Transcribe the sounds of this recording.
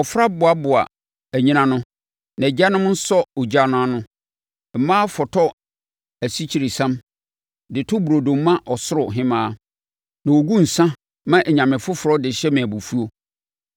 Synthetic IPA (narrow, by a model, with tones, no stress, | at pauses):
ɔ˨fɾa˦bʊ˨a˦bʊ˨a̰˨ | æ˨ɲĩ˦nã˦nʊ̃˦ | nã˨d͡ʑa˦nʊ̃˦m˦n̩˦sɔ˦ɔ˨d͡ʑa˦nʊ̃˦a˦nʊ̃˦ | m̩˨˦mãː˦fɔ˨tʰɔ˦ | æ˨si˦t͡ɕʰi˨ɾi˨sã˦m | dɪ˨tʰʊ˦bu˨ɾo˨dõ˨mː˦ã˦ʔɔ˨sʊ˦ɾʊ˨ɦɪ̃˦mãː˦ | nã˨wo˨ɡũ˦n̩˨sã˦ | mã˦ʔɛ˨ɲã˨mɪ̃˨fʊ˦fʊ˨ɾɔ˦dɪ˨ɕɛ˦mɪ̃˨bu˨fu˦o˦